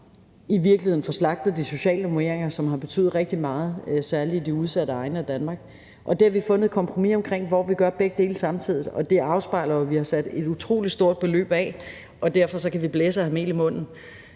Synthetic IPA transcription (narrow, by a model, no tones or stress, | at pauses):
iʋiɐɡ̥lihe̝ðˠn̩fɒ̽slɑ̈ɡ̥̚d̥ð̩ˠd̥iso̝ɕɛ̰ːləmoeɐ̰eŋɐsɒ̽mɦɑ̈b̥e̝t͡sʰy̰ːð̩ˠʁɛɡ̥̚d̥imɑ̈ːð̞̩ˠsæɐliːd̥iuð̞ˠsæd̥ɾəɑ̈ɪnəæd̥ænmɑ̈ːɡ̥ | ʔɒ̽d̥e̝æʋifɔ̽nəð̞̩ˠkʰɒ̽mpʰʁo̝mḭɒ̽mkʰʁeŋ̰ʋɒʋiɡ̥ɶɐb̥eɡ̥əd̥e̝̰ːlsɑ̈mt͡sʰið̞̰ˠð̩ˠɒ̽d̥e̝ʔɑ̈ʊsb̥ɑ̈ɪ̰lɐʋihɑ̈sæd̥e̝d̥ut͡sʰʁo̝̰ːlid̥sd̥o̝ɐ̰d̥̚b̥e̝lø̰ːb̥ɛ | ʔɒ̽d̥æɐ̰fɒ̽sɒ̽kʰæʋib̥leːsəhæme̝̰ːlimɔ̽n̰n̩